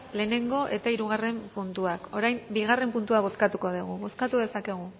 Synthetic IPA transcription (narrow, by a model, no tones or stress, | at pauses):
le̞ːne̞ŋɡo̞ʔe̞t̪aiɾuɣare̞mpunt̪uako̞ɾajmbiɣare̞mpunt̪uaβo̞skat̪uko̞ð̞uɣ̞uβo̞skat̪uðe̞sake̞ɣ̞u